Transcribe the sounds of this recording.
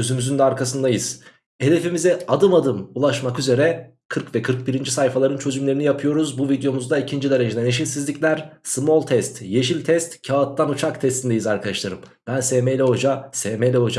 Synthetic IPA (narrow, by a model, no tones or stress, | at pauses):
øzymyzynd̪ɛaɾkʰas̬ɯnd̪ajɯz̥ | e̞d̪e̞fimizɛad̪ɯmad̪ɯmulˠaʃmakyze̞ɾɛ | kʰɯɾkvɛkʰɯɾk̚biɾind͡ʒisajfalˠaɾɯnt͡ʃʰø̞zymlʲe̞ɾinijapʰɯjo̞ɾuzbuvid̪jo̞muzd̪aicʰind͡ʒid̪ʲe̞ɾe̞d͡ʒed̪ɛneʃilʲsizlʲiclʲæɾsmolˠt̪ʰɛst̪je̞ʃilʲt̪ʰɛst̪cʰaːt̪lːanut͡ʃʰakt̪ʰɛst̪ʰind̪ejizaɾkʰad̪aʃlˠaɾɯmbænseːmejlʲɛɦo̞d͡ʒaseːmejlʲɛɦo̞d͡ʒa